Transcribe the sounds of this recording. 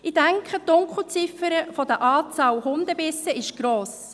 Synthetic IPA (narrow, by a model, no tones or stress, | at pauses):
ɪd̥ɛŋkχəd̥ʊŋkχl̩t͡sɪfəɾəfɔdəʔɑːt͡sɑːwhʊnd̪əbɪsəɪʃɡ̥ɾoːs